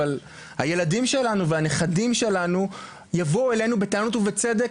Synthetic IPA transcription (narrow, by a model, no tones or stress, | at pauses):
al | haje̞ladimʃe̞lanuveaneχadimʃe̞lanu | javouele̞jnube̞taːnut̪uvet͡sed̪ek